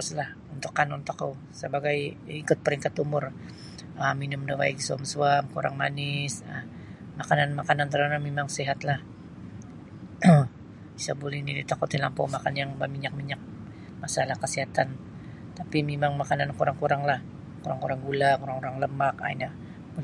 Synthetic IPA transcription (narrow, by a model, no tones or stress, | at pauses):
ʊslah | unt̪ʊkːanunt̪ukːu | səbaɡajikʊt̪̚pəɾiŋkat̪umʊr | əminʊmdawa̰iɡisuamsuamkuɾa̰ŋmanɪsə | makananmakanant̪əɾanamemaŋsiɦat̪lah | isabolɛhnidit̪akut̪ilampɔ̰makanjaŋbamiɲak̚miɲak̚ | masalahkəsiɦat̪an | t̪apimemaŋmakanankuɾaŋkuɾaŋlah | kuɾaŋkuɾaŋɡulakuɾaŋuɾaŋləmaka̰ḭna | pu